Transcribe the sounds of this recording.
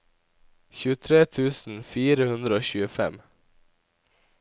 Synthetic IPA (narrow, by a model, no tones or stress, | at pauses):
ɕʉ̟ːt̪ʰɾeːt̪ʰʉ̟ːsənfiːɾəhɵnd̪ɾəoːɕʉːəfɛ̰mː